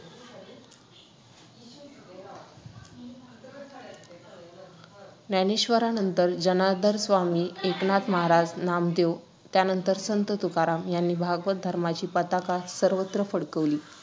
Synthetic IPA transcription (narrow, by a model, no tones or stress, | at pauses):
naneɕʋəɾanənt̪əɾd͡ʑənad̪ʱəɾsʋamiːeknat̪məɦaɾad͡znamd̪ew | t̪janənt̪əɾsənt̪ət̪ukaɾamjanːiːbʱaɡʋəd̪ʱəɾmat͡ɕiːpət̪akasəɾʋət̪ɾəfəɽkəʋliː